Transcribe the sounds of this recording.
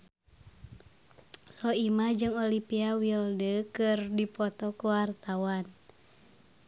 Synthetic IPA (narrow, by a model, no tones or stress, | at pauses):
sɔimahd͡ʒɨŋolipiawildəkɨrdipɔt̪ɔkuwart̪awan